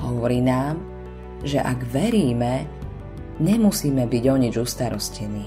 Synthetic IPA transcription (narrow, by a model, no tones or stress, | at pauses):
ɦɔʋɔɾiːnaːm | ʒɛʔaɡʋɛɾiːmɛ | ɲɛmusiːmɛbiɟɔɲid͡ʒust̪aɾɔscɛniː